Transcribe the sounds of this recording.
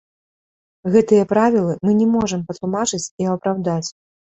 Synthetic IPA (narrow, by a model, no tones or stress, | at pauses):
ɣɛt̪ɨjɐpɾavʲilˠɨmɨnʲɛmɔʐɐmpɐt̪lˠumat͡ʂɨt͡sʲiɐpɾawd̪at͡sʲ